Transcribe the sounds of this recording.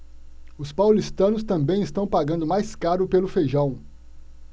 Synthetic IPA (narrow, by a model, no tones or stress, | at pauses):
ʊspawlist̪ɐ̃nʊst̪ɐ̃mbẽj̃ɪst̪ɐ̃w̃paɡɐ̃nd̪ʊmajskaɾʊpelʊfeʒɐ̃w̃